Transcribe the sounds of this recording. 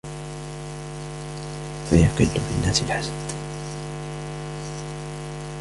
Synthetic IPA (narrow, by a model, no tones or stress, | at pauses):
fajɑqɪlːʊfɪnːaːsɪlħasad̪